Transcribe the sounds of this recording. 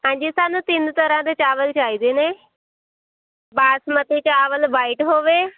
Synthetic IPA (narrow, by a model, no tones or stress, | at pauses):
aɲd͡ʑisanut̪iːnt̪əɾãd̪et͡ɕaʋəlt͡ɕaid̪ene | basmət̪ʰet͡ɕaːʋəlbaiʈɦoʋe